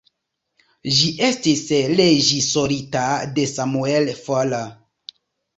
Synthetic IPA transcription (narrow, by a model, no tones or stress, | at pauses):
ʒiʔe̞stisleʒisoɾitade̞samuelfola